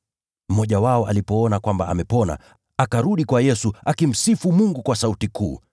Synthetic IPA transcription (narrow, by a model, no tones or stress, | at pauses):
m̩mɔʄawaɔa̰lipɔɔnakwambaa̰mɛpɔna̰ | akaɾuɗikwajɛsuakim̩sifumuŋɡukwasautikṵː